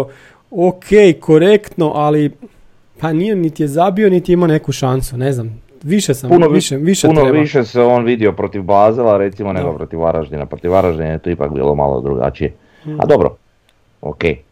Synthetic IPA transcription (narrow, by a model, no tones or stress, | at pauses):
okʰeːjkʰo̞ɾe̞kt̪no̞ʔali | panijenit̪ijezabionit̪iimane̞kuʃansune̞znam | ʋiʃesampunoiʃeʋiʃeunoeiʃeseoːnʋid̪iopɾot̪iʋbaːzilˠaɾet̪simoneɡopɾot̪iʋaɾaʒd̪inapɾot̪iʋaɾaʒd̪inajet̪oipa̰kbḭːlˠo̰ma̰lˠo̰d̪ɾuɡa̰t͡ʃije | a̰d̪obɾo̰ | o̰kej